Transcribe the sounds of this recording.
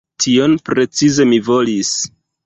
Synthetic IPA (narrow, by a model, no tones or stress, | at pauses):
tʰio̞npɾe̞t͡size̞mivo̞lis